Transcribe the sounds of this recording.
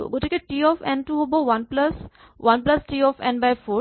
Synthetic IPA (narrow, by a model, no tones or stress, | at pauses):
ɡoʈikeʈiːɔːfɛ̃nʈuɦoboʋɐnplɐs | ʋɐ̃nplɐsʈiːɔːfɛ̰̃nbaɪfoː